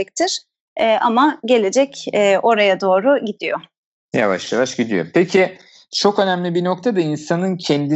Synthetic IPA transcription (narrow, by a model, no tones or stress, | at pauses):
c̚t̪ʰɪɾ̥ | ɛːʔamaɟe̞lʲe̞d͡ʒɛcɛːʔo̞ɾajad̪o̞ːɾuɟid̪ijo | ja̰va̰ʃjavaʃɟid̪ijo̞̰pʰecʰi | t͡ʃʰo̞kø̞næmlʲibino̞kt̪ʰad̪ainsanɯncʰɛnd̪i